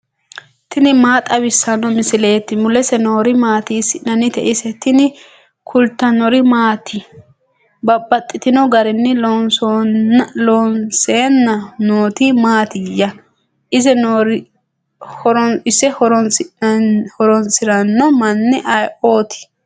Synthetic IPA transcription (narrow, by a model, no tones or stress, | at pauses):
t̪ɪnɪmaːt̪ʼɐbɪsːɐnːɔmɪsɪleːt̪ːɪmʊlɛsɛnoːɾɪmaːt̪iːsɪnɐnːɪt̪ɛʔɪsɛt̪ːɪnɪ | kʰʊlt̪ːɐnɔɾɪmaːt̪ʰɪ | bɐbːɐt̪ʼːɪt̪ɪnɔɡɐɾɪnːɪlonso | lonseːnːɐnoːt̪imaːt̪ɪjɐ | ʔɪzɛnoɾ | hɔɾɔɪsːɛhɔɾɔnsɪhɔɾɔnsɪɾɐnːɔmɐnːɛʔɐjoːt̪ʰɪ̥